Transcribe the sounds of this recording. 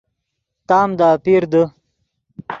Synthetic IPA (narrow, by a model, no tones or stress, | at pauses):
t̪aːmd̪aːpiɾd̪ə